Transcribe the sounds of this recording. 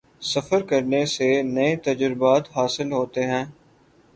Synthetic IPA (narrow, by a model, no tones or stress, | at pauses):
sɐfəɾkɐɾnesenɐet̪ɐd͡ʒɾɪbaːt̪ɦaːsɪlɦoːt̪eɦɛ̃ː